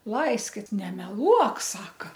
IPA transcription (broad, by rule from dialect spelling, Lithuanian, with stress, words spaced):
ˈlˠɐɪsʲkʲɪt nʲɛmʲɛˈlˠuɔk ˈsɑːkɐ